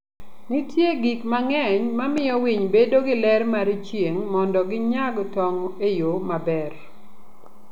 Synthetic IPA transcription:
nitjeɡikmaŋɛɲmamɪjɔwiɲbedoɡɪlɛɾmaɾit͡ʃjeŋmɔndɔɡɪɲaɡtɔŋɔejomabɛr

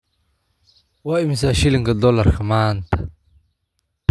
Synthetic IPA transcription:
waimis̬aɕiliŋɡad̪olaɾxamaːnt̪

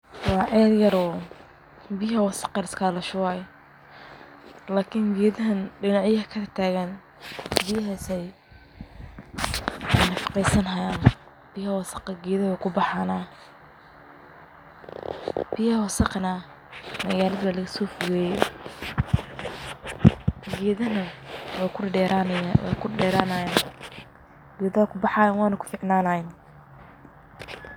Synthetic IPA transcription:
wɑːʕʔɛːðjɐɾɔː | biːɦɐwɑsɐ̥qɑɾɪskʰaːlɐʃʊwaːj | laːkʰɪŋɡɛːðɐɦɐnɖɪnaʕjɐhɐkʰɐɐt̪ʰaːɣɐn | bijɐɦɐsɛj | nɐfɑ̥qɛjsɐnɦɐjaːn | b̥ijhwɐsɑ̥qɑɡɛːðɐhɐkʰʊbɑħaːna | b̥ɪjɐwɑsɐqna | mɐɣaːlɐðwaːlɐɣɐsɔːfʊɣɛːjɛ | ɡɛːðɐnɐwɑkʰʊ | wɛ̰kʰʊɖɛːɾaːnɐjaːn | ɡ̥ɛːðɐkʰʊbɑħɑːjaːnwɑːnɐkʰʊ̥fɪʕnaːnɐɛn

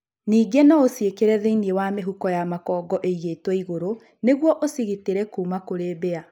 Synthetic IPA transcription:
niːɡenɔosiekeɾɛðeiniewameɦukɔjamakɔːɡɔʔeiɣetweiɣoɾo | neɣwɔʔosiɣiteɾɛkuːmakoɾebea

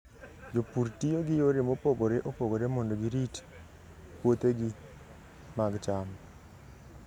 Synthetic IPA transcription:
d͡ʒopuɾtijoɡɪjoɾɪmopoɡoɾeʔopoɡoɾemɔndoɡɪɾit | pwot̪eɡi | maɡt͡ʃam

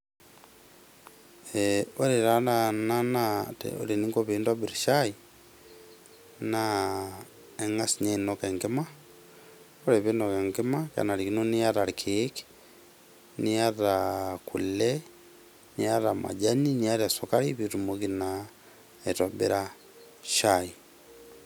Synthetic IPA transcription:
ɛoɾeɾanananatḛo̰ɾeniŋkoβendwabiɾiʃai | na | eŋasiɲenokɛŋɡema | oɾeβenokɛŋɡemaka̰naɾikinoniaɾaɾikʰeki̥ | niaɾakṵlɛ | niaɾama̰d͡ʒaniniaɾiasokaɾiβitumoɣina | etwabḛɾa | ʃai

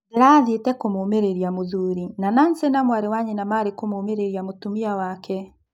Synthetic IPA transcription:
eɾaːðetɛkomoːmeɾeɾiamoðuɾinanansenamwaɾewaɲɛnamaɾekomoːmeɾeɾiamotumiawakɛ

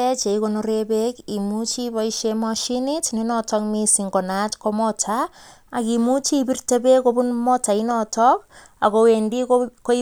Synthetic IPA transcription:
ɛt͡ʃeikonoɾebekimut͡ʃibɔiʃemɔʃinitninɔtɔkmisiŋɡɔnatkomɔtʰaː | kimut͡ʃipirtabekobunmɔtainɔtʰɔk̚ | a̰kowendikkoi

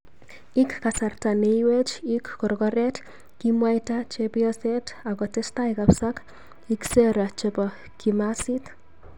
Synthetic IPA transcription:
ikkasartaneiwet͡ʃikkɔɾkɔɾɛt | kimwajtat͡ʃepiɔsɛtakɔtestaikapsak | ikseɾat͡ʃepɔ | kimasit

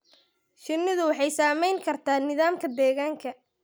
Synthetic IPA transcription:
ʃɪnːɪðʊwɑħɑjsaːmɛjŋkʰɐrt̪ʰaːnɪðaːmkʰɐd̪ɛːɣaːŋkʰɐ

